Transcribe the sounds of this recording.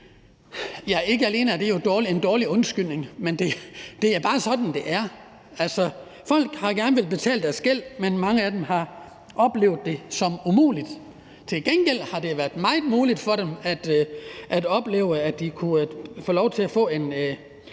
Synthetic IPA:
jæe̝ɡ̥əæle̝̰ːnæd̥e̝jo̝d̥ɒːliend̥ɒːliɔ̽nsɡ̥yl̰ne̝ŋmend̥e̝d̥e̝æɐb̥ɑ̈ːsɒ̽d̥n̩d̥e̝ʔæɐ | ælsɒ̽ | fɒ̽l̰ɡ̥hɑ̈ɡ̥æɐnəʋe̝lb̥e̝t͡sʰɛ̰ːld̥æɐsɡ̥el̰menmɑ̈ŋəæd̥emhɑ̈ | ʔɒ̽b̥le̝̰ʊðˠd̥e̝sɒ̽mumṵːlid̥ | t͡sʰe̝lɡ̥enɡ̥el̰hɑ̈d̥e̝ʋæɐd̥mɑ̈ɪð̩ˠmuːlid̥fɒ̽ɾemæd̥ʔæd̥ɒ̽b̥le̝̰ːʊəæd̥d̥ikʰufɔ̰ːlɒʊt͡sʰe̝læfɔ̰̽ːe̝n

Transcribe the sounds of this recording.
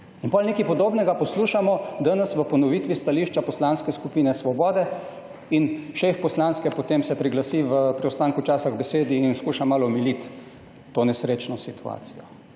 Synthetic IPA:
inpɔlʲneːkipɔd̪oːbnɛɡapɔsluːʃamɔd̪anɐsʋəpɔnɔʋiːt̪ʋist̪aliːʃt͡ʃapɔslanskɛskupiːnɛsʋɔbɔːd̪ɛ | inʃefpɔslanskɛpɔt̪emsɛpɾiɡlasiʋəpɾiɔst̪aːŋkut͡ʃaːsaɣbɛseːd̪iːnskuːʃamaːlɔmilit̪ː | oːnɛsɾeːt͡ʃnɔsit̪ua̰ːt̪sijɔ

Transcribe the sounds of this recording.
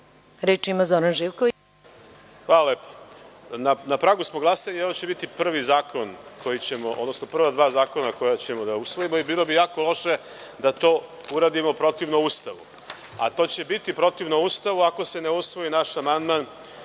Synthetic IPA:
ɾet͡ʃimazoɾanʒiʋko | xʋaːlalepo̥nanapɾaɡusmoɡlˠasalieʋo̞t͡ɕe̞bit̪ipr̩ʋizaːkʰo̞nkʰo̞jit͡ɕe̞mo̞ʔod̪no̞sno̞pr̩ʋad̪ʋaːzaːko̞nako̞jat͡ɕemo̞d̪ausʋo̞jimo̞ibiːlˠo̞bijaːkolˠo̞ʃe̞ | d̪at̪o̞ːuɾaːd̪imo̞pɾo̞t̪iʋnoust̪aʋṵ | a̰t̪o̞ːt͡ɕe̞bit̪ipɾo̞t̪iʋnoust̪aʋuako̞se̞neusʋo̞inaʃamand̪man

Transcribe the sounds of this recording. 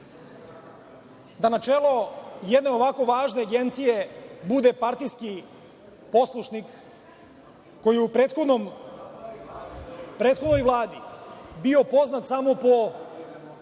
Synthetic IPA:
d̪anat͡ʃeːlo̞jed̪ne̞o̞ʋako̞ʋaːʒne̞aɡe̞nt̪sije̞bud̪e̞paɾt̪ijski | po̞slˠuʃnik | o̞jijeupɾet̪xonom | pɾeːt̪xod̪no̞jʋlˠaːd̪ibio̞po̞znat̪samo̞po̞

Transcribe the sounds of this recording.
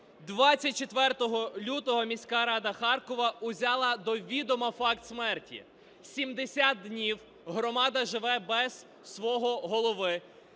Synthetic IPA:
d̪ʋɑt͡st͡sʲːɐt̚ʲt͡ʃet̪ʋɛrt̪ɔɦɔlʲut̪ɔɦɔmʲisʲkɑɾɑd̪ɐxɑrkɔʋɐʊzʲɑlˠɐd̪ɔʋʲid̪ɔmɐfɑkt̪smɛrtʲḭ | sʲimd̪esʲat̪̚ːnʲiw | ɦɾɔmɑd̪ɐʒɪʋɛbɛz̥ | sʋɔɦɔɦɔlˠɔʋɪ

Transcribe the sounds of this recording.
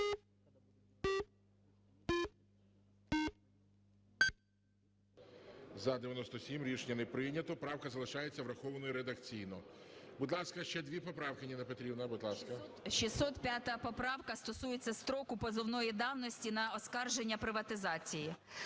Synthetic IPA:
zɐd̪eʋʲjɐnɔst̪ɔsʲimɾʲiʃnʲɐnɪpɾɪnʲɐt̪ɔpɾɑwkɐzɐlˠɪʃɑjet͡sʲːɐʋɾɐxɔʋɐnɔjiɾed̪ɐkt͡sʲijnɔbud̪lˠɑskɐʃt͡ʃɛd̪ʋʲipɔpɾɑwkɪnʲinɐpɔt̪ɾʲibnɐbud̪lˠɑskɐʃisɔt̪pʲjat̪ɐpɔpɾɑwkɐst̪ɔsujet͡sʲːɐst̪ɾɔkʊpɔzɔwnɔjid̪ɑwnɔsʲtʲinɐɔskɑrʒenʲːɐpɾɪʋɐt̪ɪzɑt͡sʲiji

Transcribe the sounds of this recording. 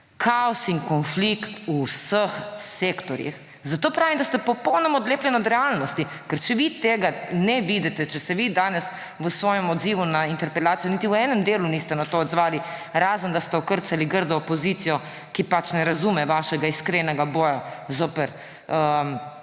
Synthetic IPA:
kʰaɔsiŋkɔnflikt̪usəxsekt̪ɔɾjḭx | zat̪oːpɾaːʋimd̪ast̪ɛpɔpɔwnɔmɔɔd̪leːplʲjɛnɔd̪ɾɛalnɔst̪i | kɛɾt͡ʃɛʋit̪eːɡanɛʋid̪ɛt̪ɛt͡ʃɛsɛʋid̪aːnɛs | ʋəsʋɔːjɛmɔd̪ziːʋunaint̪ɛɾpɛlaːt̪sijɔnit̪iwɛːnɛmd̪eːlunist̪ɛnat̪oːd̪zʋaːliɾaːzənd̪ast̪ɛɔkəɾt̪saliɡəɾd̪ɔːpɔzit̪sijɔ | kipat͡ʃnɛɾazumɛʋaːʃɛɡaiskɾenɛɡaboːjazoːpɛɾ | əm

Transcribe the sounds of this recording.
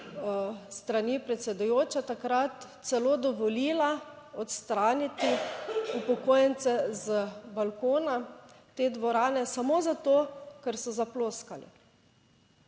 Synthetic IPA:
st̪ɾanipɾɛt̪sɛd̪ujoːt͡ʃɛt̪akɾat̪sɛloːd̪ɔʋɔliːla | ɔt̪st̪ɾaːnit̪iupɔkoːjɛnt̪sɛzbalkoːnat̪eːd̪ʋɔɾaːnɛsamoːzat̪okɛɾsɔzaploːskalḭ

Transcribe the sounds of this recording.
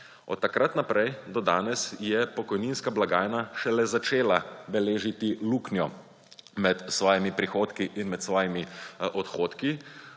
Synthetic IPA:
ɔ̰t̪ːakɾat̪napɾɛjd̪ɔd̪aːnɛsjɛpɔkɔjniːnskablaɡaːjnaʃɛlɛzat͡ʃeːlabɛleːʒit̪iluːknjɔ | mɛt̪sʋɔːjimipɾixoːt̪kiʔinmɛt̪sʋɔːjimiʔɔt̪xoːt̪ki

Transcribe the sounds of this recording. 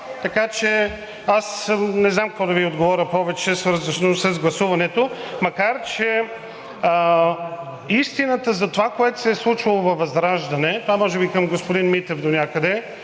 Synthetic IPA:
t̪ɐkat͡ʃɛ | asnɛznamkkɔd̪ɐviod̪ɡovɔɾʲəpɔvɛt͡ʃɛsvəɾzəʃnosɾɐzɡlˠɐsuvɐnɛt̪omɐkaɾt͡ʃɛ | ist̪inət̪əzɐt̪ovakoɛt̪ʊ̥sɛslˠut͡ʃɐlˠovɐvɐzɾaʒd̪ɐnɛt̪ovamɔʒɛbikəmɡospod̪inmit̪ɛvd̪onʲakəd̪ɛ

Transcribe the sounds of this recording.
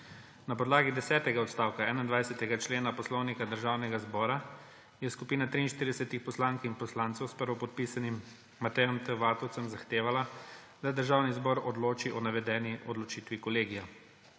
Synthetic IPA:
napɔd̪laːɡid̪ɛsɛːt̪ɛɡaɔt̪st̪aːwkaɛːnaind̪ʋajsɛt̪ɛɡat͡ʃleːnapɔslɔwnikad̪əɾʒawnɛɡazbɔːɾa | jɛskupiːnat̪ɾiːnʃt̪iɾid̪ɛsɛt̪ixpɔslaːŋkinpɔslaːnt̪sɛwspəɾʋɔpɔt̪̚piːsanimː | at̪ɛjɔmt̪əʋaːt̪ɔwtsəmzaxt̪eːʋala | d̪ad̪əɾʒaːwnizbɔɾɔd̪loːt͡ʃiʔɔnaʋɛd̪ɛːniʔɔd̪lɔt͡ʃiːt̪ʋikɔleːɡija

